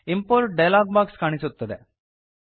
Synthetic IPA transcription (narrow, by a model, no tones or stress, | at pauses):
impoːɾʈ̚ɖɐjlaːɡ̚baːkskaːɳisut̪ːɐd̪e